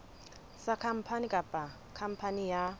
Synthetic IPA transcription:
sakʰam̩pʰanikʼapʼa | kʰam̩pʰanija

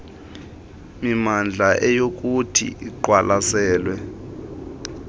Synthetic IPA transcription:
mimand͡ɮʱaʔɛjok̬ʼutʰḭʔiǃwalʔasɛːlwɛ

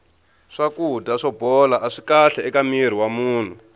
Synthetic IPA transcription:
ʂakudaʂɔbɔlaʔaʂi̥kaɬɛɛkamir̤iwamuːn̤u

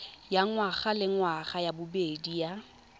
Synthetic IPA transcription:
jaŋwaχalɪŋwaχajabʊbedija

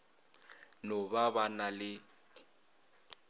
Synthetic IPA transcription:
nɔbabanalɪ

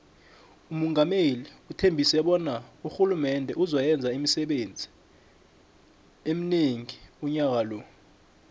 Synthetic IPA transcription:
umuŋameliutʰembʱisɛɓɔnauxulumɛndʱɛʔuzwajɛnd͡zʱaimisɛɓend͡zʱi̥ | em̩neŋiuɲak̬alɔ

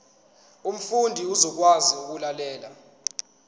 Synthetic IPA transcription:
um̩fundʱiuzɔk̬waziuk̬ulalɛːla

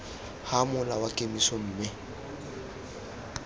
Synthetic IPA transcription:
hamʊlawakʼemisɔm̩ːmɪ

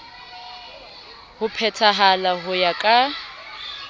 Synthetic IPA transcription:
hʊpʰɛtʰaɦalaɦʊjakʼa

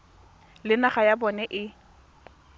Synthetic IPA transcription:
lɪnaχajabɔnɛʔɪ

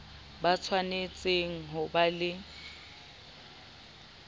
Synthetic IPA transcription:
bat͡sʰwanet͡sʼeŋ̩ɦʊbalɪ

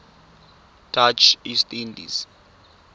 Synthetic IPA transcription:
tʰat͡ʃistʼindḭz̥

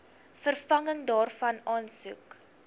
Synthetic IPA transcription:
fərfɐŋəŋdɑːrfɐnɑːnsuk

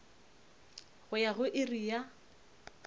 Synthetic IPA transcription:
ɣʊjaɣʊʔɪrija

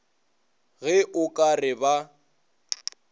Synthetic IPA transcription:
ɣɛʔʊkʼarɪba

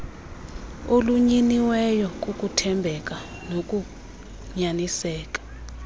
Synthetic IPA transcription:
oluɲiniwɛjɔk̬ʼukʼutʰɛmbʱɛk̬ʼa | nok̬ʼu | ɲanisɛːk̬ʼḁ

